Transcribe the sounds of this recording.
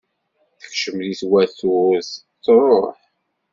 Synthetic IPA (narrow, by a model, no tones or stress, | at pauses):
θə̥kʃəmðiθwæθʊɾθ | θrˤoħ